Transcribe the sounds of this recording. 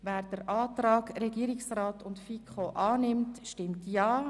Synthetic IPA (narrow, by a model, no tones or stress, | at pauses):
væːɾd̥əɾʔɑːtɾɑːɡɾɛɡiəɾɪksraːtʊntfikχoʔɑːnɪmtʃtɪmtjɑː